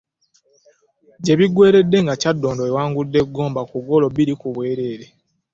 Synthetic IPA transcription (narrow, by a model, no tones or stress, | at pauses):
ɟe̞βiɡwe̞ːɾe̞dːe̞ŋɡacadːoːndoewaːŋɡudːe̞ɡːo̞ːmbakuɡo̞lo̞βiɾikuβwe̞ːɾe̞ːɾe